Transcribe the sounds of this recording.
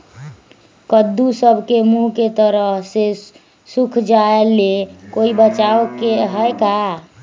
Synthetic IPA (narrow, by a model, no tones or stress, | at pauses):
kəd̪ːusəbʱkemuɦket̪əɾəɦse | sukʰd͡ʒaelekoibət͡ʃaokeɦəeka